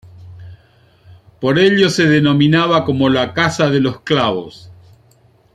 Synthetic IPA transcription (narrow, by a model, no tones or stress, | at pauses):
po̞ɾeʎo̞seðeno̞minaβako̞mo̞lakasaðe̞losklaβos